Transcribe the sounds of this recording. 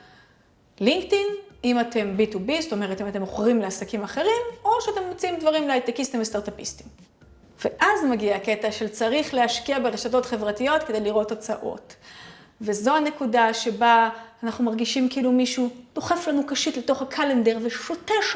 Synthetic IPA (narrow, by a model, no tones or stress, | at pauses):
liŋktinimate̞mbitubizoto̞me̞ʁetimate̞moχʁimleasakimaχe̞ʁimo̞ʃeate̞mːot͡siimdvaʁimleajt̪ekistimvest̪aʁtapisti̥m | ve̞ʔazmaɡiaketaʃe̞lt͡saʁiχleaʃkiabe̞ʁeʃat̬o̞tχe̞vʁatijo̞t̪kede̞jliʁo̞tːot͡sa̰ʔo̞̰t | ve̞zo̞ane̞kudaʃe̞baːnaχnumaʁɡiʃimkiiːlumiʃud̥o̞χeflanukaʃitleto̞χakʰalende̞ʁveʃoteʃ